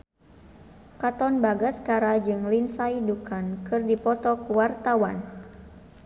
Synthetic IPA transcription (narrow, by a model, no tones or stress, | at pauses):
kat̪ɔnbaɡaskaɾad͡ʒɨŋlinsajdukʰankɨrdipɔt̪ɔkwart̪awan